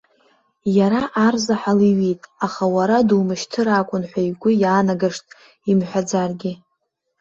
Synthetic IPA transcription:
jaɾaʔarzaħaliɥitʼaχawaɾadumɨʃtʰɨɾakʷʼʊnħʷajɡʷʊjaːnaɡaʂtʼ | imħʷad͡zarɡʲɪ

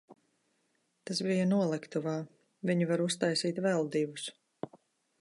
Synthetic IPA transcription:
t̪as̬bijɐnuɔlˠɛkt̪uvaː | viɲivaɾust̪ajsiːt̪vɛlˠd̪iːvus

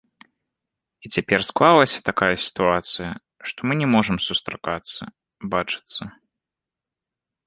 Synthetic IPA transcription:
it͡sʲapʲɛrsklˠalˠɐsʲɐ̥t̪akajɐsʲi̥t̪uat̪sɨjɐ | ʂt̪ɔmɨnʲɛmɔʐɨmsust̪ɾakat̪sːɐ | bat͡ʂɨ̥t̪sːɐ

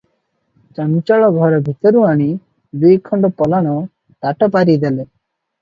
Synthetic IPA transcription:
t͡ʃant͡ʃɔɭɔɡʱɔɾɔbʱit̪ɔɾuaɽ̃i | d̪ujkʰɔɳɖɔpɔlaɽ̃ɔ | t̪aʈɔpaɾid̪ele

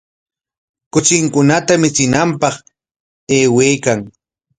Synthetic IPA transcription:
kʊt͡ʃɪŋkʊnat̪amɪt͡sɪnampɑχ | eːwejkaŋ

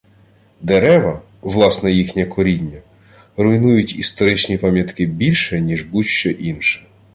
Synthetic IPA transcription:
d̪eɾɛʋɐ | ʋlˠɑsnɛjixnʲɐkɔɾʲinʲːɐ | ɾʊjnujʊtʲist̪ɔɾɪt͡ʃnʲipɑmʲjɐt̪kɪbʲilʲʃɛnʲiʒbuʃt͡ʃɔʔinʃɛ̥

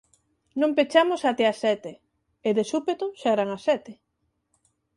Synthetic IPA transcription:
nõmpet͡ʃamosat̪easɛt̪e | eðesupet̪oʃɛɾaŋasɛt̪e

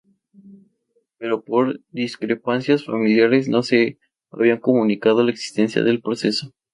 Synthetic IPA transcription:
pe̞ɾo̞po̞ɾd̪iskɾepansjasfamiljaɾe̞sno̞se̞ | a̰β̞iaŋko̞mũnikað̞o̞laeksi̥st̪e̞nsja̰ðe̞lpɾo̞se̞so̞

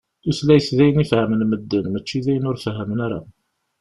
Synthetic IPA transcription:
θuθlæjəsðæjənifhəmənməd̪ːənmæt͡ʃːiðæjənʊɾfɦəmnaɾa̰

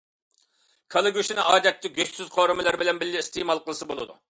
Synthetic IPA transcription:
kʰɑlˠɨɡʲyʃinɪɑːd̪ɛt̪ʰːɪɡʲøssyz̥qʰoɾɨmɨlˠɨɾbɪlɛnbɪlːɪist̪emɑlˠqəlˠɨsɨbolˠɨ̰d̪ṵ

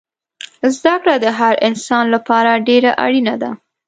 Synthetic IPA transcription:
zd̪akɽad̪əɦaɾɪnsɑnlapɑɾaɖeɾaʔa̰ɽinad̪a

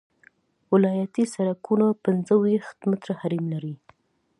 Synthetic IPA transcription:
wɪlɑjat̪isaɾakunapɪnzəwixt̪mɪt̪ɾahaɾimlaɾi

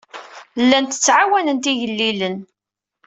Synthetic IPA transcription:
lːænt̪ə̥t͡sːʕawænənt̪iʝəlːilən

